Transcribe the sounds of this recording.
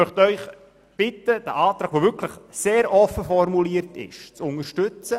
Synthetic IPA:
mœχtœʏχ | b̥ɪtəd̥əʔaːt̪ɾaːɡʋoːvʏkʰləχseːɾʔɔfəfɔrmuliəɾtɪ̰ʃt͡sʊnəɾʃtʏt͡sə

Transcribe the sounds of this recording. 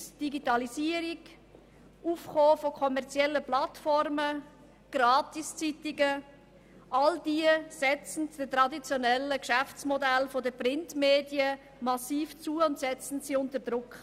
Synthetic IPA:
d̥iɡitɑliziːəɾiɡ | ʔuːfχoːfokʰɔmɛʁt͡sjɛlːəplɑtfɔɾmə | ɡ̥ɾɑːtist͡sitɪɡə | ʔɑld̥iːəsɛt͡sn̩td̥ətɾɑdit͡sjɔnɛlːəkʃæft͡smɔdælfodəpɾɪntmeːdjə | mɑsiːft͡suəʊntsɛt͡sn̩siʊntəɾd̥ɾʊkχ

